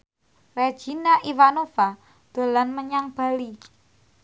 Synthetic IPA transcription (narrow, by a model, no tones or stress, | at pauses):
re̥ʒ̥i̤naʔiwanofa | d̪̥o̤lanməɲaŋb̥a̤li